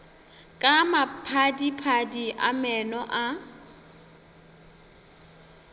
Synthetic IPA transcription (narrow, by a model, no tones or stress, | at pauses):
kʼamapʰadipʰadiʔa̰mɛnɔʔa